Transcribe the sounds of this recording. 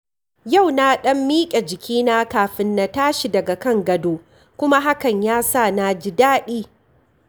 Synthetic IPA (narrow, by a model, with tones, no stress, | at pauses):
ja˦˨wna˦ɗɐ˦mːiː˦kʲʼe˨d͡ʒɪ˨kʲiː˦na˦kaː˨ɸɪ˦nːa˨taː˦ʃi˨dɐ˨ɡa˨kɐ˦ŋɡɐ˦doː˦ | kʷʊ˦ma˦ɦa˦kɐ˨ɲjaː˦sa˦˨na˨d͡ʒi˦daː˦ɗiː˦